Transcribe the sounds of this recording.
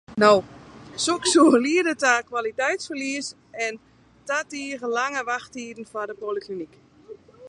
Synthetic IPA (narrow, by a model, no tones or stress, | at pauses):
nowsoksuːliədətakwalitɛjtsfərliəs | ɛn | tatiərəlaŋəʋaxtiːdn̩fadəpoliklinik